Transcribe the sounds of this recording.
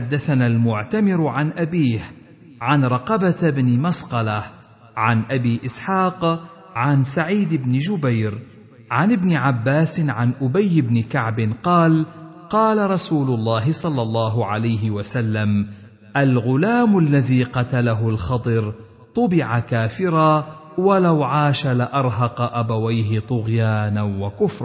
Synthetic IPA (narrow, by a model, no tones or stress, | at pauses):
ħad̪ːaθanaːlmʊʕt̪amɪɾʕanʔabiːh | ʕanɾˤɑqɑbat̪bnɪmasqɑlah | ʕanʔabiːʔɪsħɑːq | ʕansaʕiːd̪ɪbnɪd͡ʒʊbajɾ | ʕanɪbnɪʕabːaːsɪʕanʔʊbajːɪbnɪkaʕbɪnqɑːl | qɑːlaɾˤɑsuːlʊlˤːɑːɦɪsˤɑlːɑlˤːɑːɦʊʕalajɦɪwasalːam | ʔalɣʊlaːmʊlːaðiːqɑt̪alaɦʊlxɑt̪ˤɨɾ | t̪ˤʊbɪʕakaːfɪɾa | walawʕaːʃalaʔɑɾˤɦɑqɑʔabawajhɪt̪ˤʊɣjaːnanwakʊfɾˤɑ